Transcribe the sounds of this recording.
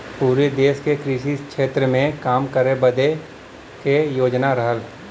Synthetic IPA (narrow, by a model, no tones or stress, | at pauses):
puːɾed̪eːʃkekɾiːʃikʃeːt̪ɾəmẽkaːmkəɾebəd̪e | kejoːd͡ʒnaɾəɦəl